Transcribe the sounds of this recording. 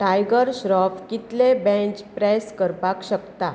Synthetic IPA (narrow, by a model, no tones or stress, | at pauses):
ʈajɡəɾɕɾɔpkit̪lebɛ̃t͡ɕpɾɛskəɾpakɕəkt̪a